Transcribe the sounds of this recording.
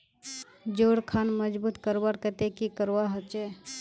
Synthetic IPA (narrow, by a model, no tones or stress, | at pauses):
d͡ʒoɽkʰanməd͡ʒbut̪kəɾbaɽkət̪ekikəɾwaɦət͡ʃɛ